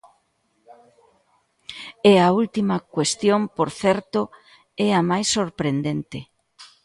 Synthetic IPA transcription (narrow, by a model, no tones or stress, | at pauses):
ɛault̪imɐkwest̪jompoɾθɛɾt̪o | ɛɐmajsːoɾpɾend̪ent̪e